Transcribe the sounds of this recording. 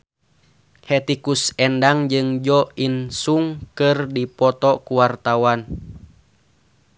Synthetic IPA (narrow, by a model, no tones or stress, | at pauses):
hɛt̪ikusɛndaŋd͡ʒɨŋd͡ʒɔinsuŋkɨrdipɔt̪ɔkuwart̪awan